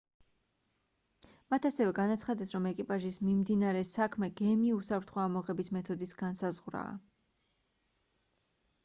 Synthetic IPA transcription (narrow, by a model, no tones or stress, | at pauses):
mat̪ʰasɛvɛɡanat̪sʰχad̪ɛsɾɔmɛkʼipʼaʒismimd̪inaɾɛsakʰmɛɡ̥ɛmiusapʰɾt̪ʰχɔamɔʁɛbismɛt̪ʰɔd̪isɡ̥ansazʁwɾa̰ː